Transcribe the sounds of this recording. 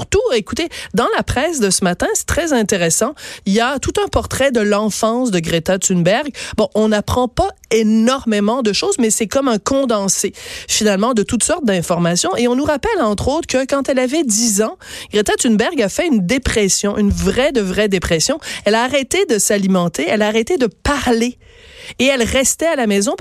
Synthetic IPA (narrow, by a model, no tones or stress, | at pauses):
ʁt̪ueku̥t̪ed̪ɑ̃lapχɛːsd̪əsəmat̪ɛ̃sɛ̥t̪χɛzɛ̃t̪eʁesɑ̃iljat̪ut̪ɛ̃pɔʁt̪χɛd̪əlɑ̃fɑ̃sd̪əɡʁet̪at̪ynbɛʁɡbɔ̃ʔɔ̃napχɑ̃paenɔʁmemɑ̃d̪əʃoːzmɛsɛkɔmɛ̃kɔ̃d̪ɑ̃sefinalmɑ̃d̪ət̪ut̪sɔʁt̪̚d̪ɛ̃fɔʁmasjɔ̃ʔeɔ̃nuʁapɛlɑ̃t̪χot̪χkəkɑ̃t̪ɛlavɛd̪izɑ̃ | ɡ̥ʁet̪at̪ynbɛʁɡafɛynd̪epχɛsjɔ̃ʔynvʁɛd̪əvʁɛd̪epχɛsjɔ̃ɛlaːʁɛt̪ed̪əsalimɑ̃t̪ʰeɛlaːʁɛt̪ed̪əpaʁleː | ɛlʁɛst̪ɛalamɛzɔ̃